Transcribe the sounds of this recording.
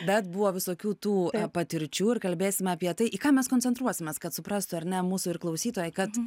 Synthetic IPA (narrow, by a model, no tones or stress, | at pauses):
bʲɛt̪bʊʋoːʋʲɪsoːkʲuːt̪uːpɐt̪ʲɪɾʲt͡ʃʲuːɪɾkɐlʲbʲeːsʲɪmʲɛɐpʲiɛt̪ɐɪʔikɑːmʲɛskoːnʲt͡sʲɛnt̪ɾuɔsʲɪmʲeːskɐt̪sʊpɾɐst̪ʊɐɾʲnʲɛmuːsʊɪɾklˠɐʊsʲiːt̪oːjɛɪkɐt̪